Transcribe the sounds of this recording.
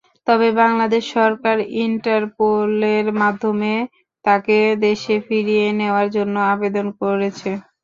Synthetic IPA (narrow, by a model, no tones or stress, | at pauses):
t̪ɔbebaŋlad̪eʃːɔɾkaɾiɳʈaɾpoleɾmad̪ʱːome | t̪aked̪eʃefiɾijeneoaɾd͡ʑonːoabed̪onkoɾet͡ɕʰe